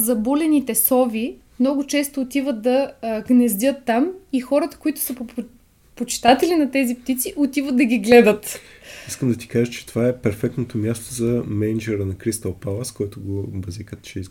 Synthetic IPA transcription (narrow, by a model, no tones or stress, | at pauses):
zɐbulɛnit̪ɛsɔvi | mnɔɡʊt͡ʃɛst̪oːt̪ivət̪̚d̪ɐɡnɛzd̪ʲɤt̪ːamixɔɾət̪ə̥koit̪ʊ̥sɐp | pot͡ʃi̥t̪at̪ɛlinɐt̪ɛzipt̪it̪siʔot̪ivət̪̚d̪ɐɡʲiɡlɛd̪ət̪iskəmd̪ɐt̪i̥kaʒət͡ʃɛ̥t̪ovaɛpɛɾfɛk̚t̪not̪omʲjast̪ozɐmɛnd͡ʒɛɾənɐkɾist̪ɐlˠpalˠəskɔjt̪oɡovɐzikət̪t͡ʃɛis